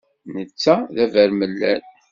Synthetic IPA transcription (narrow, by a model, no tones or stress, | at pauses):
nət͡sːæðævæɾməlːæn